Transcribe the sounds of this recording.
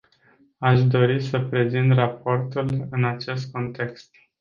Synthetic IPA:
aʃd̪o̞ɾisəpɾe̞zint̪raport̪ulɨnat͡ʃe̞st̪̚ko̞nt̪e̞kst̪

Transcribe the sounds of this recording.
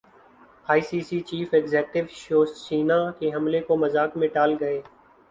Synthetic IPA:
aːiːsiːsiːt͡ʃiːfekzeːk̚ʈɪʋʃoːst͡ʃiːnaːkeːɦəmleːkoːməzaːkmẽːʈaːlɡəeː

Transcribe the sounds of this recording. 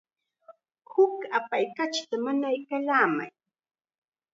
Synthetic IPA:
hʊkapajkat͡ʃt̪amanajkalaːma̰j

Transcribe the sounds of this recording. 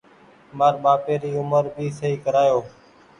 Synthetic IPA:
maːɾɓaːpeːɾiːʊməɾbiːsəɦiːkəɾaːjoː

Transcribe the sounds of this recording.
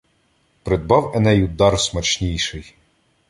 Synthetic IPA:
pɾed̪̚bɑwɛnɛjʊd̪ɑrsmɐt͡ʃnʲijʃɪj

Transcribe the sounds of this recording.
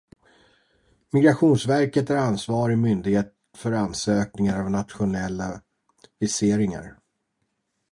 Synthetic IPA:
mɪɡɾaɧuːnsvæɾkət̪æɾansvɑːɾɪmʏnd̪ɪɡheːt̪ | fœɾansøːk̚nɪŋaɾavnat̪ɧʊnɛlːa | vɪseːɾɪŋa̰ɾ

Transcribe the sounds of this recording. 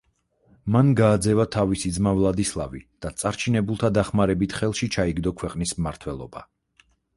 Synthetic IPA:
manɡaːd̪zɛvat̪ʰavisid̪zmavlˠad̪islˠa̰vid̪̥at̪sʼaɾt͡ʃʰinɛbulˠt̪ʰad̪aχmaɾɛbit̪ʰχɛlˠʃit͡ʃʰaiɡd̪ɔkʰwɛqʼnismːaɾt̪ʰwɛlˠɔba

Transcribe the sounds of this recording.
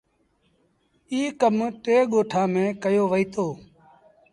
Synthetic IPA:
iːkəmʈeːɠoːʈʰaːmẽːkəjoːʋəiːt̪oː

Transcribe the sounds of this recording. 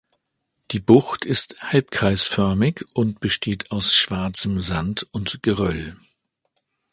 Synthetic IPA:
d̥iːbʊxtʰɪsthalp̚kʁ̥aɪsfœɐmɪçʔʊnt̚b̥əʃtʰeːtʰaʊsʃv̥aɐt͡səmzantʊntɡ̥əʁœl

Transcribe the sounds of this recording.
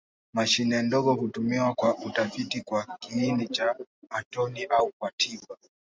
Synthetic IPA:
maʃinɛndɔɡɔhutumiwakwaʔutafitikwakiinit͡ʃaːtɔniʔaukwatʰiɓa

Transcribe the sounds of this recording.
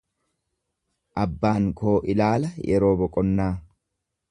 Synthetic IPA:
ʔɐbːaːŋko̞ːʔɪlaːlɐjɛɾo̞ːbɔkʼɔnːaː

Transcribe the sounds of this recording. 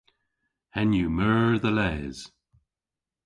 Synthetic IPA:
hɛnjumɜːðəlɛːz̥

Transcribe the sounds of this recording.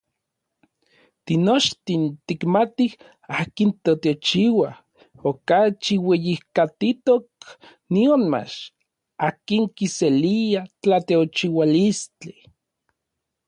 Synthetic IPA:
t̪inot͡ʃt̪int̪ikmat̪ih | aːkint̪ot̪eot͡ʃiwa | okat͡ʃiwejihkat̪it̪ok̚ | nionma̰t͡ʃ | aːkiŋkiseliat͡ɬat̪eot͡ʃiwalist͡ɬi

